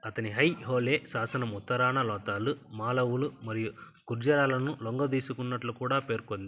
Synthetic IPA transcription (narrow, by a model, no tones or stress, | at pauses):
ɐt̪ɐniɦɐjɦoːleːsaːsɐnɐmut̪ːɐɾaːnɐlɔːt̪aːlumaːlɐʋulumɐɾiju | kuɾd͡ʒɐɾaːlɐnulɔŋɡɐd̪iːsukunːɐʈlukuːɽaːpeːɾkond̪i